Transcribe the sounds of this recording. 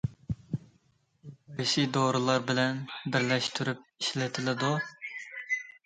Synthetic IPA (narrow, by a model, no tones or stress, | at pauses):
bɪʃid̪oɾɨlˠɑɾbɪlɛnbɪɾlɛʃt̪ʰyɾyp̚iʃlɛt̪ʰɪlɪd̪u